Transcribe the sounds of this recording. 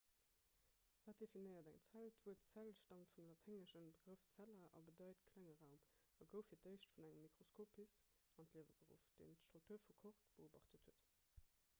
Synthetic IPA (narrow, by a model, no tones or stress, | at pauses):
v̥aːt̚d̥efinəɪɐdæŋt͡sæltv̥uətt͡sælʃtɑntfumlɑtʰhæŋəʃənbəɡ̥ʁəft͡sælɐʔɑ̰bədɑɪtkʰlæŋəʁæʊm | ɑɡəʊfiːɐt̚dəɪʃtfunæŋəmːikʁoskʰoːpʰːist | ɑntliəvəɡəʁṵfd̥ḛːntʃtʁ̥uk̚tʰuːɐfukʰoʁkb̥əoːbɑ̰χtəthuət